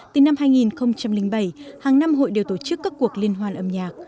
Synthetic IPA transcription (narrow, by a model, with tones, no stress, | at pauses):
t̪ɨ˨˩na˧mɦaː˧jŋi˨˩nxə˧wŋ͡mt͡ɕa˧mlï˧ŋ̟ɓə˧˩jhaː˨˩ŋna˧mɦo̰˧˨jɗe˨˩wt̪o˧˩t͡ɕɨ˦˥kːaː˦˥kːu˨˩ək̚li˧ənɦwaː˧nʔə˧mɲaː˨˩k̚